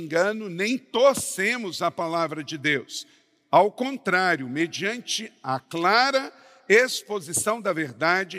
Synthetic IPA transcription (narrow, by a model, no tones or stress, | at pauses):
ɡɐ̃nʊnẽj̃t̪oɾsẽmʊzɐpalavɾɐd͡ʒɪd̪ews | awkõnt̪ɾaɾjʊmed͡ʒiɐ̃nt͡ʃɪɐklaɾɐ | espozisɐ̃w̃d̪ɐveɾd̪ad͡ʒɪ